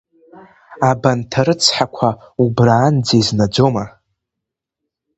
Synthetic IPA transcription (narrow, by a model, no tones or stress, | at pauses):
abantʰaɾɨt͡sʰħakʷʰaubraːnd͡zeznad͡zoma